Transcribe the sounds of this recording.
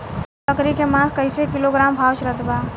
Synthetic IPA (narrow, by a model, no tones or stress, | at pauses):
əkɾikemãskəɪsekiloɡɾambʱawt͡ʃɾət̪ba